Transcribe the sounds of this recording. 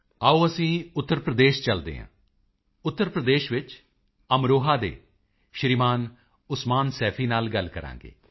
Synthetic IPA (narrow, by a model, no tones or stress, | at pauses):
aːuːəsĩːʊt̪ːəɾpɾəd̪eːʃt͡ʃəld̪ḛːɦã̰ː | ʊt̪ːəɾpɾəd̪eːʃʋɪt͡ʃ | əmɾoːɦaːd̪ḛː | ʃɾimaːn | ʊsmaːnsɛːpʰiːnaːlɡəlkəɾã̰ːŋɡḛː